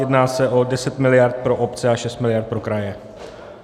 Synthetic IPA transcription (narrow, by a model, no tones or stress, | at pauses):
jɛdnaːsɛʔo̞dɛsɛt̪mɪlɪjaɾt̪̚pɾoʔopt͡sɛaʃɛst̪mɪlɪjaɾt̪pɾokɾajɛ